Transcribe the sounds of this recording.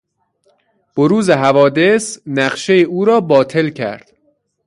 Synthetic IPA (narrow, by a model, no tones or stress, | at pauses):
b̥oɾuːzeɦævɒːd̪e̞snæɢʃejeuːɾɒːbɒːt̪ʰe̞lcʰæ̰ɾd̪̥